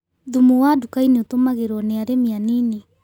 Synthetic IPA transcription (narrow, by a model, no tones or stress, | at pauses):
ðumuadukajniutomaɣeɾoneaɾemianini